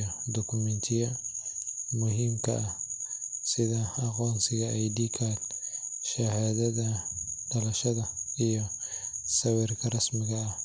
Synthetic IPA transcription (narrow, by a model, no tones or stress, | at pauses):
ɔd̪ɔkʰʊmɛnt̪ʰɪjɐ | mʊɦiːmkʰɐ̰ɐ | sɪðɐɑqɔːnsɪɣɐʔɛjdiːkʰaːd̪ʃɐhaːðɐðɐɖ̥ɐlɐʃɐðɐijɔsɐwɪrkʰɐrɐsmɪɣɐː